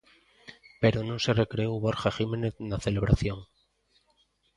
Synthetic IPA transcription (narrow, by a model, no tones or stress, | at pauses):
pe̞ɾonõse̞rekɾeowβoɾxaximeneðnaθele̞β̞ɾʔaθjo̞ŋ